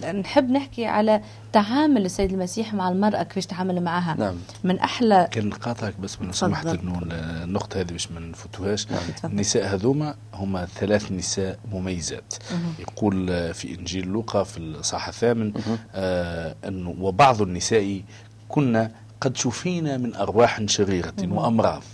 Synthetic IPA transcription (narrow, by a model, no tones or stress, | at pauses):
nħɪbːnɪħkiʕa̰læ | t̪aʕaːmʊlɪsːæjːɪd̪əlmæsiːħmaʕalmɑɾˤʔɑkfɛːʃt̪ʕaːmʊlmaʕaːɦæ | mɪnʔaħlækæːnqɑːt̪ˤhɑk̚bæsːwɪnusmaħt̪nːunːʊqt̪ˤhæːðibæːʃmænfʊt̪uhæːʃnːɪsæːʔhæðuːmæ | hʊmːæθælæːθnɪsæːʔmʊmæjːzæ̰ːt̪jquːlfḭʔɪnʒiːllːʊqɑfisˤɑħθæːmɪn | ʔɪnːwɪbɑʕðˤnːɪsæːʔi | kʊnːæ | qɑd̪ʃufiːnæmɪnʔɑɾˤwɑːħnʃæɣiːɾwɪʔɑmɾˤɑ̰ːðˤ